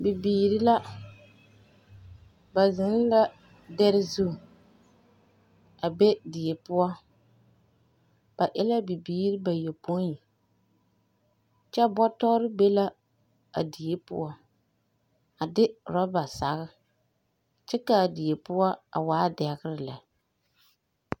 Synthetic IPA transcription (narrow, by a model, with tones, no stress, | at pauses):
bi˨biː˨ɾɪ˦la˦ | ba˨zɪ˨˦n˦la˦ | dɛ˦ɾɪ˦zu˦˨ | a˨be˦di˨e˨pʊ˦a˦ | b̥a˨ʔɪ˦la˦bi˨biː˨˦ɾi˦ba˨jo˨po˦i˨ | t͡ʃɛ˦bɔ˦tɔ˦ɾɪ˦be˦la˦ | a̰˨di˨e˦pʊ̰˦a˦ | a˨dɪ˦ɾɔ˦ba˨sa˨ɣɪ˦ | t͡ʃɛ˦ka˨di˨e˨pʊ˦a˦a̰˨waː˨˦dɛ˨ɣɪ˦ɾɪ˦˨la˨